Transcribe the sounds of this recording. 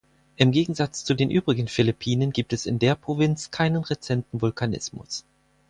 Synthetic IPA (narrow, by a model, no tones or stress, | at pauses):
ʔɪmɡeːɡŋ̩zat͡st͡sudeːnʔyːbʁɪɡən̩fɪlɪpʰiːnənɡiːp̚tɛsɪ̰ndeːɐpʁ̥ovɪnt͡skʰaɪnənʁet͡sɛntn̩vʊlkʰanɪ̰smʊ̰s